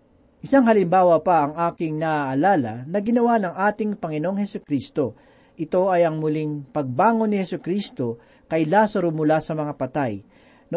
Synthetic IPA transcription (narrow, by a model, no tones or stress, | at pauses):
ʔɪsaŋhɐlɪmbaːwɐpɐʔɐŋʔaːkɪŋnɐʔʔːlaːlɐnɐɡɪnɐwanɐŋʔaːt̪ɪŋpɐŋɪnoŋhɛsʊkɾiːst̪o̞ | ʔɪt̪o̞ʔɐjɐŋmʊliŋpɐɡ̚baːŋonːɪhɛsʊkɾiːst̪o̞ | kɐjlaːsɐɾomʊlasɐmɐŋapɐt̪aj | nɐ